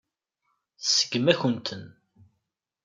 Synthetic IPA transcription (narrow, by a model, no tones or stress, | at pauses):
θsə̥ɡəmæçənt̪ʰən